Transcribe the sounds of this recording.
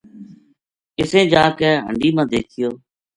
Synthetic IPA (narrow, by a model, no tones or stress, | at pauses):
kɪsẽːd͡ʒaːkɛːɦə̰ɳɖiːmãːd̪eːkʰɪjoː